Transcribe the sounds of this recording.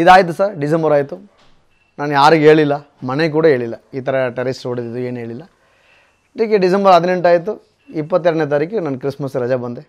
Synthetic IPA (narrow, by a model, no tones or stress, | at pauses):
id̪aːjt̪̬usɐɾɖisɐmbɐɾaːjt̪u | naːnujaːɾiɡɦe̞ːɭilːɐ | mɐnek̬uːɽɐɦe̞ːɭilːɐiːt̪ʰɐɾɐʈɐɾisoːɽid̪id̪ue̞ːnɦe̞ːɭilːɐ | ɐd̪ik̬ːeɖis̬ɐmbɐɾɐd̪ne̞ɳʈaːjt̪̬u | ipːɐt̪ːɛɾɐɽɖneːt̪̬aːɾiːkinɐːnkɾismɐsɾɐd͡ʒabɐnd̪e